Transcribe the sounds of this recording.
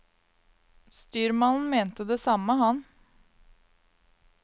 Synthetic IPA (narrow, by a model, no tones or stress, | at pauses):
st̪yːɾmɑnn̩meːnt̪əd̪eːsɑməhɑn